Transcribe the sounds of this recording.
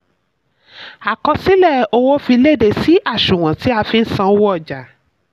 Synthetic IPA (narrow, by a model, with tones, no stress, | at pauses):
a˨kɔ˧si˦lɛ˦˨o˧wo˦fi˧le˦˨de˨si˦ʔa˦˨ʃũ˨w̃ã˨ti˨˦a˧fĩ˧n̩˦sã˧˦wɔ˦˨d͡ʒa˨